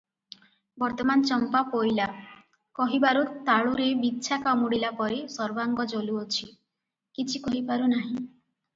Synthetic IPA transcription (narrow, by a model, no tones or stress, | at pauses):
bɔɾt̪ɔmant͡ʃɔmpapojla | kɔɦibaɾut̪aɭuɾebitːʃʰakamuɽilapɔɾesɔɾbaŋɡɔd͡ʒoluot͡ʃʰi | kit͡ʃʰikɔɦibaɾunaɦĩ